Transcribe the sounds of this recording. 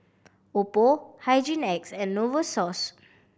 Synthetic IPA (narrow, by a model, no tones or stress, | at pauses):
opohajd͡ʒĩnɛksɛ̃nːovəsɔs